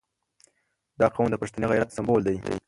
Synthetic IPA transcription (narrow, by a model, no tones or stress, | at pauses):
d̪ɑqʰawnd̪əpaʂt̪aneɣajɾat̪sambold̪aj